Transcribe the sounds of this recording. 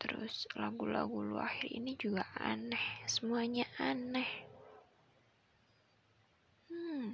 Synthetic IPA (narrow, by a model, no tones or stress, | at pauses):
t̪əɾʊ̰slaɡula̰ɡuluaxirḭnid͡ʒuɡaʔanɛhsəmuaɲaʔanɛh | h̩